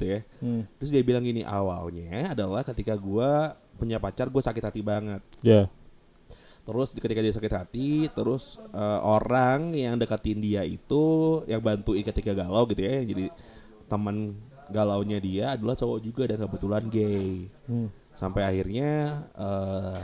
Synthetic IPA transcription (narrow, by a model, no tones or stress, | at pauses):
ɡit̪ujat̪əɾʊs̬diabilaŋiniʔa̰wa̰lɲaːdalahkət̪ikaɡua | puɲapat͡ʃarɡuasakɪt̪hat̪ibaŋət̪̚ja | t̪əɾʊskət̪ikadiasakɪt̪hat̪it̪əɾʊsəːoɾaŋjaŋdəkat̪ɪndiaḭt̪ujaŋbant̪uɪnkət̪ikaɡalawɡit̪ujajaŋd͡ʒadi | t̪əmən | ɡalawɲadiaːdalaht͡ʃowad͡ʒuɡadankəbət̪ulanɡɛj | sampajahirɲaə